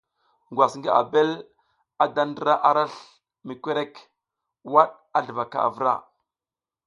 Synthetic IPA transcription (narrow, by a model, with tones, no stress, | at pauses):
ŋɡwa˨sŋɡi˦a̰˨be˦l | a˨da˦n˦də˦ɾa˦ʔa˦ɾa˦ɬ | mi˨kʷe˦ɾe˦k | wa˦ɗ | a˦ɮə˨va˨ka̰˨a̰˨və˦ɾa̰˦˨